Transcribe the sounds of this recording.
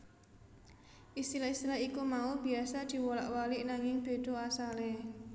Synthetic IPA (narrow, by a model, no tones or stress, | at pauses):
ʔist̪ilaist̪ilaikumaub̥i̤asad̪̥i̤wɔlaʔwalɪʔnaŋɪŋb̥e̤d̪̥o̤asale